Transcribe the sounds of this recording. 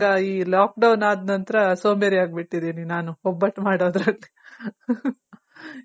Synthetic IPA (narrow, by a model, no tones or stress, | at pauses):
ɡɐiːlaːk̚ɖɐwnaːd̪nɐnt̪ɐɾɐsoːmeɾiaːɡ̚biʈːid̪iːninaːnuɦɔbːɐʈmaːɽoːd̪ɾɐlːi